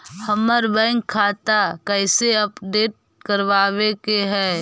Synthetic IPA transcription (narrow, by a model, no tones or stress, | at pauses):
həməɾbɛ̃ŋkʰːaːt̪akɛɪseəpɖeːʈ̚ | kəɾʋaːwekeɦɛː